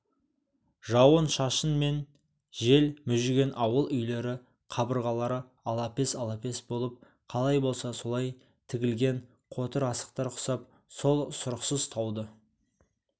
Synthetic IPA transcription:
ʒɑwənʃɑʃənme̞n | ʒe̞lmʏʒɪɡʲenʔɑwəlˠʏjle̞ɾɪ | qʰɑbəɾʁɑlˠɑɾə | ɑlˠɑpe̞sɑlˠɑpe̞sbo̞lˠəp̚ | qʰɑlˠɑjbo̞lˠsɑso̞lˠɑj | t̪ʰɪɡʲɪlɡʲe̞ɴ | qʰo̞t̪əɾɑsə̥q̚t̪ɑɾqʰʊ̥sɑp̚ | so̞lˠsʊɾəqsəzt̪ʰɑwd̪ə

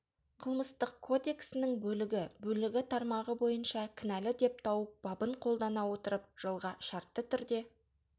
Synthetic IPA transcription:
qʰəlˠməst̪əqkʰo̞d̪e̞ksɪnɪŋbɵlɪɡʲɪbɵlɪɡʲɪt̪ʰɑɾmɑʁəbo̞jənʃɑkʲʰɪnælɪd̪e̞p̚t̪ʰɑwəp̚b̥ɑbəɴqʰo̞lˠd̪ɑnɑwo̞t̪əɾəp̚ʒ̥əlˠʁɑʃɑɾt̪ːət̪ʰʏɾd̪e̞

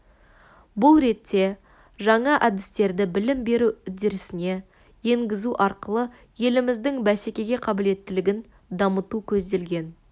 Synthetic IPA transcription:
bʊlˠɾe̞t̪ʰːe̞ | ʒɑɴɑʔæd̪ɪst̪e̞ɾd̪ɪbɪlɪmbe̞ɾuʏzd̪e̞ɾɪsɪne̞ | je̞ŋɡʲɪzuʔɑɾqəlˠə | je̞lɪmɪzd̪ɪŋbæsekʲe̞ɡʲe̞qʰɑbɪle̞t̪ːɪlɪɡʲɪn | d̪ɑmət̪ukʲʰɵzd̪e̞lɡʲe̞n

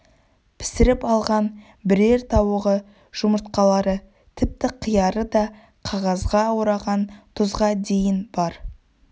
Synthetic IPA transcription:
pʰɪ̥sɪɾɪpɑlˠʁɑn | bɪɾe̞ɾt̪ʰɑwəʁə | ʒ̥ʊməɾt̪̚qɑlˠɑɾə | t̪ʰɪp̚t̪ɪqʰijɑɾəd̪ɑ | qʰɑʁɑzʁɑwəɾɑʁɑnt̪ʰʊzʁɑd̪e̞jɪnb̥ɑɾ

